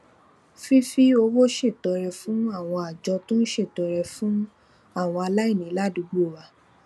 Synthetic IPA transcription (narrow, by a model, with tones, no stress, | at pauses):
fi˦fi˦o˧˦wo˦ʃe˦˨tɔ˨˦ɾɛ˧fũ˦a˦˨w̃ɔ̃˧a˨d͡ʒɔ˧tũ˦n̩˦ʃe˦˨tɔ˨˦ɾɛ˧fũ˦ | a˦˨w̃ɔ̃˧a˧la˦i˦˨nĩ˨˦la˦˨du˨˧˦ɡ͡bo˦˨ɾa˨˧˦